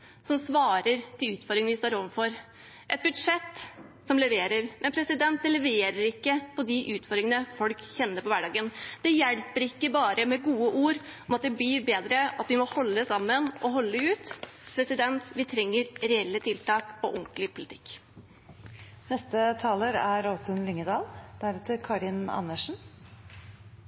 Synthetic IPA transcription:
sɔmsʋɑːɾəɾt̪ʰɪlʉːt̪fɔɾd̪ɾɪŋənʋɪst̪oːɾɔːʋəfɔɾ | ʔɛt̪̚bʉd̪ʂɛt̪ːsɔmlɛʋeːɾəɾmɛnpʰɾɛsɪd̪ɛnt̪̚d̪ɛlɛʋeːɾəɾɪkːəpʰɔd̪ɪʔʉːt̪fɔɾɾɪŋənəfɔlkçɛnːəɾpɔʋæɖɑːɡənd̪̥ɛjɛɽpəɾɪkːəbɑːɾəmɛɡuːəʔuːɾɔmɑt̪̚d̪ɛblɪːɾbeːd̪ɾəɑt̪ʋɪmɔhɔlːəsɑmːənʔɔɦɔlːəʉːt̪pʰɾɛsɪd̪ɛnt̪ʋɪt̪ʰɾɛŋːəɾɾɛɛlːət̪ʰɪlt̪ɑːkɔ̰ʔʊŋklɪpʰʊlɪt̪ʰɪ̥kː | nɛst̪ət̪ʰɑːləɾæɾɔsɔʉnlɪŋːəd̪ɑːld̪̥æɾɛt̪əɾkʰɑɾɪnɑ̰nːəʂn̩

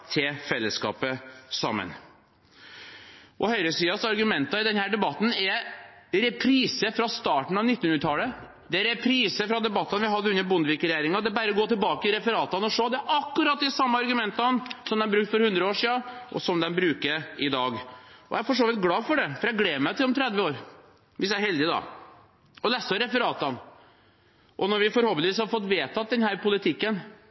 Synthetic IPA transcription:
t̪ʰɪlfɛlːəskɑ̰ːpəsɑ̰mːə̰n | ʔɔhœʏɾəsiːɑsɑɾɡʉmɛnt̪ɑɪd̪ɛnhæːɖɛbɑt̪ːn̩ɛɾɛpʰɾiːsəfɾɑst̪ɑːʈɳ̩ɑʋnɪt̪ːnhʉnɾət̪ʰɑlə | d̪ɛæɾɛpʰɾiːsəfɾɑd̪ɛbɑt̪ːɑnʋɪɦɑd̪ːəʉnːəɾbʊnd̪əʋɪkɾɛjæːɾɪŋɑd̪ɛbæɾəɔɡoːt̪ʰɪlbɑːkəɪɾɛfəɾɑːt̪ɑnɔʂoːd̪ɛæʔɑkːʉɾɑt̪̚d̪ɛsɑmːəɑɾɡʉmɛnt̪ɑnsɔmd̪ɛnbɾʉkt̪fɔɾhʉnd̪ɾəoːʂiːɑɔ̰sɔmd̪ɛnbɾʉːkəɪd̪ɑːɡɔ̰jæɾfɔʂoːʋɪt̪ɡlɑːfɔɖɛfɔɾæɡleːmæɪt̪ɪlɔmt̪ʰɾɛd̪ʋəoːɾ | ʋɪs̬jææɾhɛld̪ɪd̪ɑ̰ | ɔlæsəɾɛfəɾɑːt̪ɑn | ʔɔnɔɾʋɪfɔɾhɔlpəniːshɑɾfɔt̪ːʋeːt̪ʰɑt̪̚d̪ɛnhæːɾpʊlɪt̪ʰɪkːən

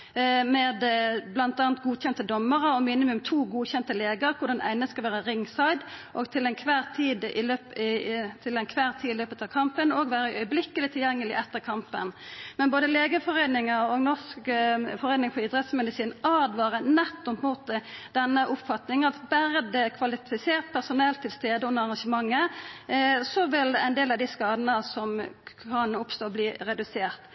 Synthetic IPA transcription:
mɛːd̪blɑnt̪ɑːnt̪̚ɡuːçɛnt̪əd̪ɔmːəʁəɔmiːnɪmʉmt̪ʰuːɡuːçɛnt̪əleːɡəʁkʰʊʁd̪ɑnæ̰ɪnəskɑlʋæːʁəʁɪŋːsɑɪd̪ʔoɡt̪ʰɪlɛɪnkʰʋæːʁt̪ʰiːd̪ɪløːpt̪ʰɪlɛnkʰʋæːʁt̪ʰiːɪløːpət̪ɑːʋkʰɑmpənoːɡʋæːɾəʔœʏblɪkəlɪt̪ʰɪljɛŋːəlɪ̰ʔɛt̪ːəʁkʰɑmpə̰nmɛnboːd̪əleːɡəfɔʁɛɪnɪŋəɔɡnɔskfɔɾɛɪnɪŋpʰɔɪd̪ʁɛt̪smɛd̪ɪsiːnɑːd̪ʋɑːʁənɛt̪ːɔpmuːt̪d̪̥ɛnːəʔʊpfɑt̪nɪŋənɑt̪bæɾəd̪ɛkʰʋɑlɪfɪseːʁt̪̚pʰæʁsʊnɛlt̪ʰːɪlst̪eːd̪əʊnəɾɑʁɑnʂəmɑŋːə | sɔʋɪlæ̰ɪnd̪eːlɑʋd̪ɪskɑːd̪ənəsɔmʰɑːnnʊpst̪oːbliːɾɛd̪ʉseːʁt̪

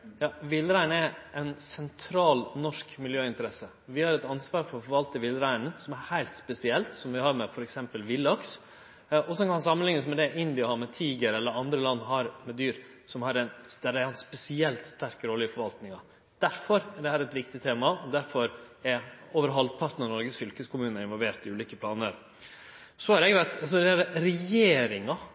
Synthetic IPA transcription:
jɑːʋɪlɾæɪnɛʔɛnsɛnt̪ʰɾɑːlnɔʂkmɪljøːɪnt̪əɾɛsə | ʋɪhɑɾɛt̪ɑnsʋɑːɾfɔɾɔfɔɾʋɑlt̪əʋɪlɾæɪn̩sɔmæɾhæɪlt̪spɛsɪɛlt̪sɔmʋɪhɑɾmɛfɔɾɛksɛmpəlʋɪlːɑks | ɔsɔkɑnɑns̬ɑmːənlɪŋːəsmɛd̪ɛʔɪnd̪ɪɑhɑmɛt̪ʰiːɡəɾɛlːəɾɑnd̪ɾəlɑnːɦɑɾmɛd̪yːɾ | sɔmhɑɾɛnd̪æɖ̪æɾhɑnspɛsɪɛlt̪st̪æɾkɾoːləɪfɔɾʋɑlt̪nɪŋɑ | d̪̥æɾfɔɾæɖɛhæːɾɛt̪ʋɪkt̪ɪt̪ʰeːmɑɔd̪æɾfɔɾɛɾoːʋəɾɦɑlpʰɑɾt̪nənɔɾɡəsfʏlkəskʰʊmʉːnəɪnʋɔlʋeːɾt̪ɪʉːliːkəpʰlɑːnəɾ | sɔhɑɾɛɡʋæt̪ɑsɔd̪ɛæɾɾɛjeːɾɪŋɑ

